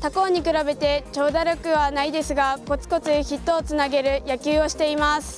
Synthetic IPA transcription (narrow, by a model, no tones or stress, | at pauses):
t̪ako̞ːɲ̟ikɯ̟ɾabe̞t̪e̞t͡ɕo̞ːd̪aɾʲokɯ̟βanaid̪e̞sɨɡako̞t͡sɨ̥ko̞t͡sɨçit̪ːo̞ːt͡sɨnaɡe̞ɾɯ̟jakʲɨːo̞ɕi̥t̪e̞imasɨ̥